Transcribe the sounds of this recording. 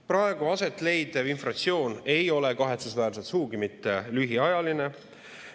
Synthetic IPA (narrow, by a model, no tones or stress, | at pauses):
pɾɑe̞ɡ̥uɑse̞t̪ːˑle̞jd̪̥evinfrɑt̪sio̞ːne̞jo̞le̞kɑɦe̞t̪susvæːɾset̪suːɡimit̪ːe̞lyɦiɑjɑline̞